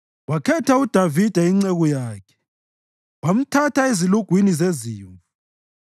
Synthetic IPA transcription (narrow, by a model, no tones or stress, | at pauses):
wakʰɛtʰaud̥ʱavid̥ʱɛiŋ͡ǀeɣɔjaːkʰɛ̥ | wam̩tʰataeziluɡ̥ʱwinizeziːɱvu